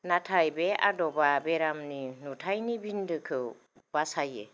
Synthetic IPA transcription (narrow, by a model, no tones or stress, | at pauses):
natʰajbea̰dɔbabeɾamninutʰajnibindɯkʰɯ | basajḛ